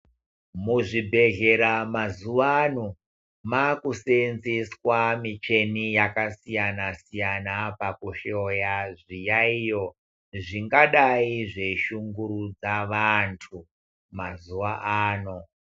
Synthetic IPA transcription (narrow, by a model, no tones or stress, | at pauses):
muʐibʱe̞ɣe̞ɾamazuʋaːno | makusenziswamit͡ʃe̞nijakasijanasijanapakuʃojaʐijaijo̞ | ʐiŋɡaɗaiʐe̞ʃuŋɡuɾud͡zaʋantʰu | mazuʋaʔaːno̞